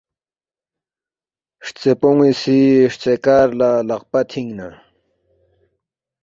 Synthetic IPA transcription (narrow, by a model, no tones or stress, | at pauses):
ʂt͡sepoŋisiʂt͡sekaːɾlalaq̚pat̪ʰiŋna